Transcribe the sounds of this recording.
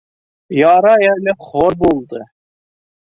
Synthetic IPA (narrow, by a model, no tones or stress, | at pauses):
jɑɾɑjælɘχoɾbulˠd̪ɤ